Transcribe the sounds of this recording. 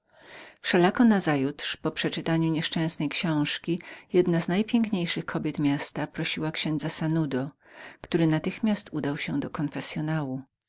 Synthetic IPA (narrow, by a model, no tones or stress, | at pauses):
fʂɛlakɔnazajut̪ʂpɔpʂɛt͡ʂɘt̪aɲuɲɛʂt͡ʂɛ̃w̃snɛjkɕɔ̃w̃ʂkʲijɛd̪naznajpʲjɛŋkɲejʂɘxkʰɔbʲjɛt̪mʲjast̪apɾɔɕiwakɕɛ̃nd̪zasanud̪ɔkt̪uɾɘnat̪ɘxmʲjast̪ʰud̪awɕɛd̪ɔkɔnfɛsʲjɔnawu